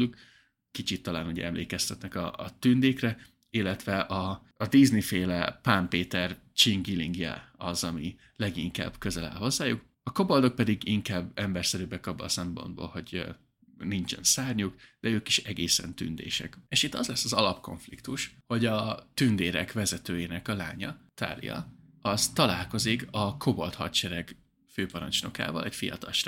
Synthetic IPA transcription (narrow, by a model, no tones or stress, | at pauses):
uk | kit͡ʃit̪ːɒlaːnuɟɛ̰ɛmlḛːkɛst̪ɛt̪nɛkɒ̰t̪ynd̪eːkrɛ | ilːɛt̪ʋɛʔɒː | d̪iznifeːlɛpampeːt̪ɛr | t͡ʃiŋɡiliŋɡjɛ̰ɒzɒmi | lɛɡiŋka̰ːbkø̞zɛlɛ̰lɦo̞zːaːjuk | ɒko̞bold̪o̞k̚pɛd̪iɡiŋkaːbːɛmbɛrsɛɾybɛkɒbːɒ̰sɛmpo̞̰nd̪bo̰ːlho̞ɟ | nint͡ʃɛ̰nsaːrɲukd̪̥ɛøːkiʃɛɡeːsɛ̰nt̪y̰nd̪ḛːʃɛ̰keʃit̪ːɒzlɛsːɒzɒlɒpko̞̰ɱflikt̪uʃho̞ɟɒt̪ynd̪eːɾɛkʋɛzɛt̪øːjeːnɛkɒlaːɲɒt̪a̰ːlḭjɒ̰ | ɒzt̪ɒlaːlko̞zikɒkʰo̞bolt̪hɒ̰t̪ʃɛɾɛɡ | føːpɒɾɒ̰nt͡ʃno̞̰ka̰ːvɒ̰lʔɛcfijɒ̰t̪ɒlʃ